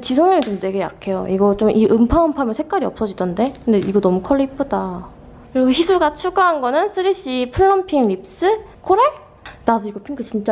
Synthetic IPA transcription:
t͡ɕisʰoŋɲʌŋit͡ɕomtwe̞ɡeja̰kʰe̞joʔiɡʌt͡ɕomʔiʔɯmpʰaɯmpʰamjʌnsʰek͈aɾiʌp̚s͈ʌd͡ʑidʌnde̞kɯnde̞iɡʌnʌmukʰʌɭːipʰɯda | kɯɾiɡoçisʰuɡat͡ɕʰuɡaɦanɡʌnɯnsʰɯɾiɕ͈ipʰuɭːʌmpʰiŋɾip̚s͈ɯ | kʰoɾe̞ | nasʰʌiɡʌpʰiŋɡʰɯt͡ɕint͡ɕ͈a

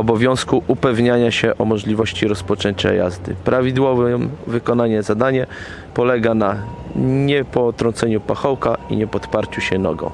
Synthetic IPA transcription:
ɔbɔvʲjɔ̃w̃skuʔupɛvɲaɲaɕɛʔɔmɔʐlʲivɔɕt͡ɕiɾɔspɔt͡ʂɛɲt͡ɕɛ̰ja̰zd̪ɘ̰pɾʔavʲid̪wɔvɛmvɘkɔnaɲɛzad̪aɲɛ | pɔlɛɡana | ɲɛpɔt̪ɾɔnt̪sɛɲupaxɔwkaḭɲɛpɔt̪paɾt͡ɕuɕɛnɔ̰ɡɔ̰̃w̃

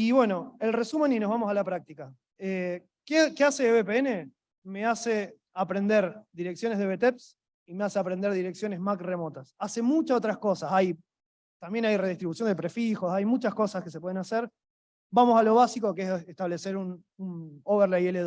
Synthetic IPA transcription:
iβwe̞no̞elre̞sume̞nino̞ɦβamo̞salapɾak̚t̪ika | e | kekease̞βepeene̞ | me̞ase | apɾe̞nd̪eɾd̪iɾe̞ksjo̞neð̞e̞βe̞t̪eps | imeaseapɾend̪eɾð̞iɾe̞ksjo̞ne̞zmakre̞mo̞t̪asase̞mut͡ʃasot̪ɾasko̞sasaj | t̪ambje̞najre̞ð̞iht̪ɾiβusjond̪e̞pɾe̞fixo̞sajmut͡ʃasko̞sakes̬epwe̞ðenaseɾ | bamo̞salo̞βasiko̞keeseht̪aβle̞seɾun | unoβeɾlajeleð

